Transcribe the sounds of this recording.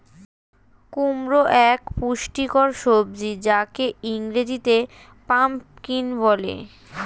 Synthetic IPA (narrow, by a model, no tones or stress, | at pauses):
kumɾoʔɛkpuʃʈikoɾʃobd͡ʑid͡ʑakeiŋɾed͡ʑit̪e | pampkinbɔlḛ